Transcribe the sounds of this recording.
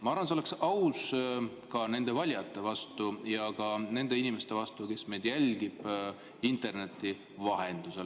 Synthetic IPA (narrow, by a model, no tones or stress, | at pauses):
mɑɑrvɑnseole̞ksɑws | kɑne̞nd̪̥e̞vɑlʲjɑt̪ˑːe̞vɑst̪ujɑkɑne̞nd̪e̞inime̞st̪e̞vɑst̪uke̞smejd̪̥jælʲɡ̥ib̥ | int̪ˑe̞rne̞t̪ːˑi | vɑɦe̞nd̪̥use̞l